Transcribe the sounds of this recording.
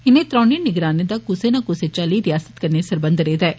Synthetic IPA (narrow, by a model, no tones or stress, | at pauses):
ɪnẽt̪ɾɔ̃ːniənɪɡɾaːned̪aːkʊsenaːkʊset͡ʃaːliːɾɪjaːsə̥t̪kɐɾnesəɾbə̃nd̪ɾeːd̪aɛː